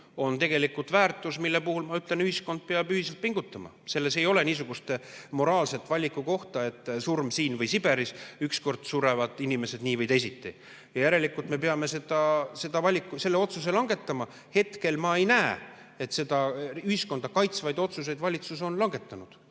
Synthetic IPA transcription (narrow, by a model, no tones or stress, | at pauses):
o̞nt̪e̞ɡ̥e̞likult̪væːrt̪ːˑusmilːepuhulmɑyt̪ˑle̞nyhisko̞nd̪̥̚peɑb̥yhis̬elt̪̚piŋɡ̥ut̪ːˑɑmɑ̰se̞lːe̞se̞jo̞le̞niːs̬uɡ̥ust̪emo̞ɾɑːlse̞t̪ːvɑlʲːikːˑuko̞ht̪ɑe̞t̪ːˑsurmsiːnvɤjsib̥e̞ɾisyksko̞rd̪̥suɾe̞vɑd̪̥inime̞se̞d̪niːvɤjt̪ejsit̪ːi | jɑjæɾe̞likːˑult̪me̞pe̞ɑme̞se̞d̪̥ɑse̞d̪̥ɑvɑlʲikːuse̞lːe̞o̞t̪sus̬e̞lɑŋɡe̞t̪ːˑɑmɑ | he̞t̪ke̞lmɑe̞jnæːe | e̞t̪se̞d̪̥ɑyhisko̞nd̪̥ɑkɑjt̪svɑjd̪o̞t̪sus̬e̞jd̪vɑlʲit̪suso̞nlɑŋɡe̞t̪ːˑɑnud̪̥